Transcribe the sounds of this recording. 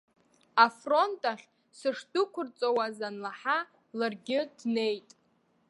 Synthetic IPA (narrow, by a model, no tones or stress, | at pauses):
afro̞ntʼaχʲ | sɨʂdʼʊkʷʊrt͡sʼowazanlaħa | larɡʲɪdne̞jtʼ